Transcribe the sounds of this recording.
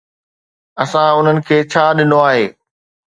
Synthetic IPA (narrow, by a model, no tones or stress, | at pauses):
ɐsãʊn̤ənɪ̆kʰeːt͡ɕʰaːɗɪnoaːɦeː